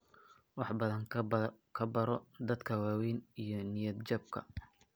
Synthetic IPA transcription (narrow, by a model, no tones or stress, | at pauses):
wɑħbɐðɐŋ | kʰɐbɐɾɔd̪ɐd̪kʰɐwaːwɛjnijɞnɪjɐd̪t͡ʃɐb̚kʰɐ̰